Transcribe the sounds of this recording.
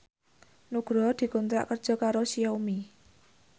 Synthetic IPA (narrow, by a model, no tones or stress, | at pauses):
nuɡ̥ɾɔd̪̥i̤kunt̪ɾa̰ʔkərd̥ʒ̥ɔ̤kaɾosijɔumi